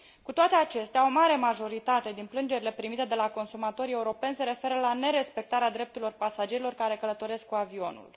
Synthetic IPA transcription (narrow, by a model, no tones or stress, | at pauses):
kut̪oat̪e̞at͡ʃe̞st̪eao̞maɾe̞maʒo̞ɾit̪at̪e̞d̪inplɨnd͡ʒe̞ɾile̞pɾimit̪e̞d̪e̞lako̞nsumat̪o̞ɾie̞uɾo̞pe̞nʲse̞ɾe̞fe̞ɾəlane̞ɾe̞spe̞k̚t̪aɾead̪ɾe̞p̚t̪uɾilo̞rpasad͡ʒe̞ɾilo̞rkaɾe̞kələt̪o̞ɾe̞sk̚kuavio̞nṵl